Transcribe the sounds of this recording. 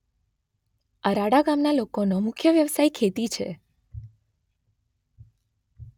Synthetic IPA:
əɾaɽaɡamnalokonomʊkʰjəʋjəʋsaikʰet̪it͡ʃʰḛ

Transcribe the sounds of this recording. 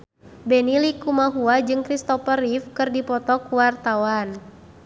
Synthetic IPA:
bɛnilikumaɦuad͡ʒɨŋkɾist̪ɔfəɾifkɨrdipɔt̪ɔkuwart̪awan

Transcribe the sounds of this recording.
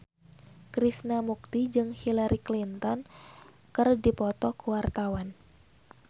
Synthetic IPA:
kɾisnamuk̚t̪id͡ʒɨŋhilaɾʔiklint̪ɔn | kɨrdipɔt̪ɔkuwart̪awan

